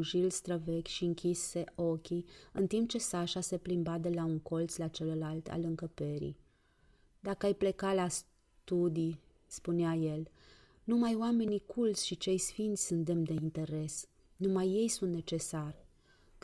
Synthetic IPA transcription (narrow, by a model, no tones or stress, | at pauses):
ʒilst̪ɾəve̞kʲʃiɨŋkʲisːe̞o̞kʲiɨnt̪imp̚t͡ʃe̞saʃase̞plimbad̪e̞lauŋko̞lt̪slat͡ʃe̞ləlalt̪ʰa̰lɨŋkəpe̞ɾḭj | d̪akəajple̞kalas | t̪ud̪ij | spuneaje̞l | numajowame̞nikʰult̪sʲʃit͡ʃe̞jsfint̪sʲsunt̪̚d̪emd̪e̞int̪e̞ɾe̞s | numajːe̞jsunt̪ne̞t͡ʃe̞sar